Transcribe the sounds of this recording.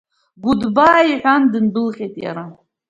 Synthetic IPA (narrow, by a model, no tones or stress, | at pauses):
ɡʷʊdbaːiħʷᶣandɨndɨlʁʲejtʼja̰ɾa